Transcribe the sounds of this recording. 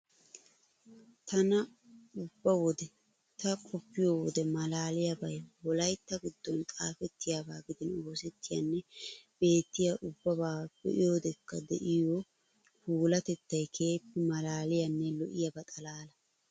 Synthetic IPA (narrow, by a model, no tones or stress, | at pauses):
t̪ɐnɐ | ʊbːɐwɔd̪ɛ | t̪ɐkʰʼɔpːɪjɔwɔd̪ɛmɐlaːlɪjɐbɐjwɔlɐjt̪ːɐɡɪd̪ːɔnt̪ʼaːfɛt̪ːɪjaːbaːɡɪd̪ɪno̞ːsɛt̪ːɪjɐ̰nːɛb̥e̞ːt̪ːɪjɐʔʊbːɐbaːb̥ɛ̰ʔɪjoːd̪ɛkːɐd̪ɛ̰ʔɪjɔ | huːlɐt̪ɛt̪ːɐjkʰe̞ːpːɛmɐlaːlɪjɐnːɛlɔ̰ʔɪjɐbɐt̪ʼɐlaːlɐ